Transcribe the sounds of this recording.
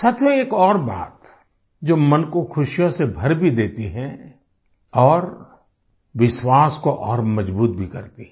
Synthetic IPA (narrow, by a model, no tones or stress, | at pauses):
sɐt̪ʰweeːkɔːɾba̰ːt̪ | d͡ʒoːmɐnkoxʰʊʃjõsebʱɐɾbʱid̪eːt̪iɦɛ̃ | ɔːɾ | ʋɪʃwaːskoʔɔːɾmɐd͡ʒbuːt̪̚bʱikɐɾt̪iɦɛ